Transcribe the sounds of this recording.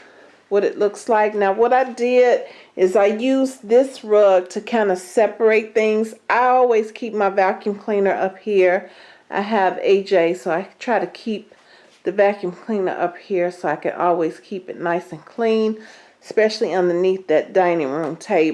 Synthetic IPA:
wʌɾɨ̰tˡlʊkslaɪk̚naʊwʌɾaɪdɪɾ | ʔɪzaɪjʉzðɪsɹʌɡ̚tʰɨkʰãɪ̃ndɨsɛpə˞eɪt̪̚θɪ̃ŋzʔaɪɔlˠwiz̥kʰip̚maɪvækjʉ̃mkʰl̥ĩnə˞ʔʌphiɹ | ʔa̰ɪəvḛɪd͡ʒeɪsoʊaɪtʰɹ̥aɪɾɨkʰip̚ | ðɨvækjʉ̃mkʰl̥ĩnə̰˞ʔʌp̚hiɹsoʊaɪkɨ̰̃ɾɔ̰lˠwiz̥kʰipɨ̰tⁿnaɪsɨ̃nkʰl̥ĩn | ɨspɛʃl̩ˠiʌ̃ndə˞niθðɨt̚d̥ãɪ̃nɪ̃ŋɹʉ̃mtʰeɪb

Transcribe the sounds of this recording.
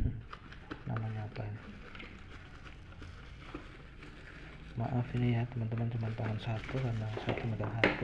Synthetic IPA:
na̰maɲaapaj | ma̰ʔafinijat̪əmant̪əmand͡ʒumanpaŋansat̪ukanasa̰t̪umadamɦat̪u

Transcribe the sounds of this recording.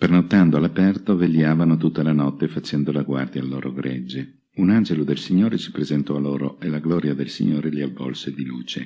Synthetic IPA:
pɾenot̪ːand̪oalapɛrt̪ovelːjaːvanot̪ut̪ːalanɔt̪ːefat͡ʃɛnd̪olaɡward̪jaːlːo̰ːɾʔoɡɾed͡ʒːe | unand͡ʒelod̪elsiɲːoːɾesi̥pɾezent̪ɔaloːɾoelaɡlɔːɾjad̪elsḭɲːoːɾeliavːɔ̰lsed̪iluːt͡ʃḛ

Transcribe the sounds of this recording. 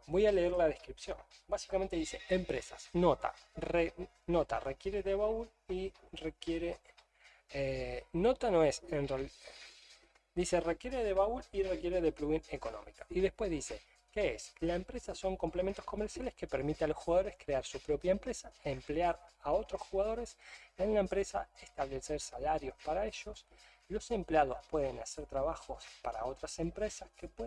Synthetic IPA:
bo̞jale̞eɾlað̞eskɾipsjo̞̰nbasi̥kament̪eðise̞̰empɾe̞sa̰sno̞t̪a̰e | no̞t̪a̰rekje̞ɾeðeβaul | irekjeɾe | eno̞t̪ano̞esenral | d̪ise̞rekjeɾeðe̞βaulirekje̞ɾeðepluɣineko̞no̞̰mikaiðe̞hpwe̞zðise | keeslaempɾesaso̞ŋko̞mplement̪osko̞meɾsjale̞skepeɾmit̪ealo̞sxuɣað̞o̞ɾe̞skɾeaɾsupɾo̞pjaempɾesaempleaɾao̞t̪ɾo̞sxuɣað̞o̞ɾe̞senlaempɾesaest̪aβle̞seɾsalaɾjo̞spaɾaeʃo̞s | lo̞sempleað̞o̞spwe̞ðe̞naseɾt̪ɾaβaxo̞spaɾa̰o̞t̪ɾase̞mpɾe̞saskepwe

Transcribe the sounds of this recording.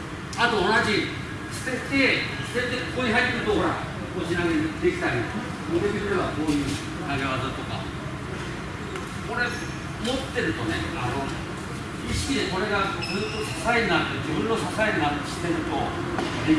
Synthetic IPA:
at̪o̞ːnaʑi | ɕi̥t̪et̪et̪ẽ̞nt̪ekkoːɲʲiɦait̪ːe̞ɾɯ̟t̪oɦoɾa | oɕinaɡed̪e̞kʲi̥t̪aɾʲi | kod̪ek̪ikɯɾeβako̞ːjɯ̟ː | k̪aɡaβazɨt̪o̞ka̰ | ko̞ɾe̞ | mo̞t̪ːe̞ɾɯ̟t̪o̞neano̞ | iɕi̥kʲid̪eko̞ɾe̞ɡakosḁsaeɾɯnaɾɯt̪od͡ʑibɯ̟̃nːo̞sasaeɾɯnaɾɕi̥t̪e̞ɾɯ̟t̪o̞ | e

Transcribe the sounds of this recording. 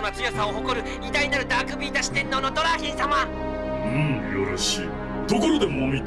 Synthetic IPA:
nat͡sɨjosãoɦo̞koɾɯ̟ | it̪aɲinaɾɯ̟d̪aːkɯ̟bʲiːt̪aɕi̥t̪ẽ̞nːono̞t̪oɾaçĩsama | ɯ̃ɴjoɾoɕḭː | d̪o̞koɾod̪emomʲit̪

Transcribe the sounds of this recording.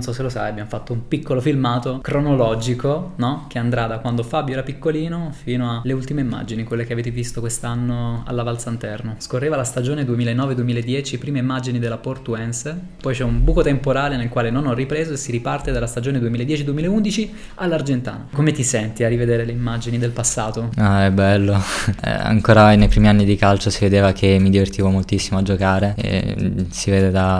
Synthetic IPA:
nsɔsːelosa̰jabjamofat̪ːoumpikːolofilmaːt̪okɾonolɔd͡ʒikonɔk̟eand̪ɾad̪akwand̪ofabjoɛɾapikːoliːnofiːnoaleult̪imeimːa̰d͡ʒinikwelːekeaveːt̪̬evist̪okwest̪anːoa̰lːavalt̪sant̪ɛrnoskorːeːvalast̪ad͡ʒoːned̪uemilaenːɔːved̪uemilaed̪ːjɛːt͡ʃipɾiːmeimːad͡ʒinid̪elːaport̪uɛns | pɔjt͡ʃɛumbuːkot̪empoɾaːlenelkwaːlenonɔrːipɾeːzoesːiɾipart̪ed̪alast̪ad͡ʒoːned̪uemilaed̪jɛːt͡ʃid̪uemiːlaeund̪it͡ʃi | alːard͡ʒent̪a̰ːnakomet̪isɛnt̪iarːived̪eːɾeleimːad͡ʒinid̪elpasːaːt̪oaɛbɛlːoɛ̰a̰ŋkoːɾanejpɾiːmianːid̪ikalt͡ʃosived̪eːvakʰemːid̪ivert̪iːvomolt̪isːimoad͡ʒokaːɾḛsiveːd̪ed̪a

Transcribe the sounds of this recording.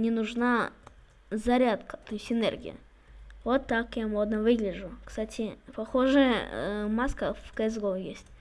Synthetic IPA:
nʲɪnʊʐna | zɐɾʲat̪kə̥t̪ojsʲtʲɪnḛrɡʲɪ̰jə̰ | vot̪ːakjamo̞d̪nəvɨɡlʲɪʐʊkst̪atʲʰɪpɐxoʐɨjəmaskəvkɐzɡovjesʲtʲ

